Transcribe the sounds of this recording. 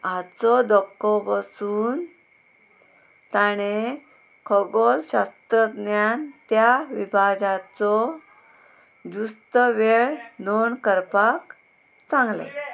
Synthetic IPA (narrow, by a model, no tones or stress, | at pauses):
at͡sɔd̪ɔkːɔbasuːn | t̪aɽ̃e | kʰɔɡɔlɕast̪ɾəd̪njant̪jaʋibʱad͡zat͡sɔ | d͡ʑust̪əʋeɭnonkəɾpak | t͡sãŋɡlḛ